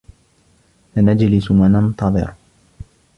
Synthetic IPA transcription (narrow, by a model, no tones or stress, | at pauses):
fanad͡ʒlɪsmanɑnt̪ˤɑðˤɨ̰ɾ